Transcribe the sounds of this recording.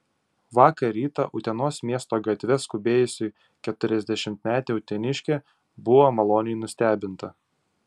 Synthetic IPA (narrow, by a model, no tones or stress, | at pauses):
ʋɑːkɐɾʲiːt̪ɐ̰ʔʊt̪ʲɛnoːsmʲiɛst̪oːɡɐt̪ʲʋʲɛskʊbʲeːjʊsʲɪ | kʲɛt̪ʊɾʲɛzʲd̪ʲɛʃʲɪmʲt̪ʲmʲæːt̪ʲeʊt̪ʲɛnʲɪʃʲkʲeː | bʊʋomɐlˠoːnʲɪjnʊsʲt̪ʲæːbʲɪnt̪ɐ